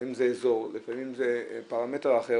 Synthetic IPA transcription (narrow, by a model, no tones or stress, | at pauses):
imzeezo̞ʁlifamimzepaʁameteʁaχe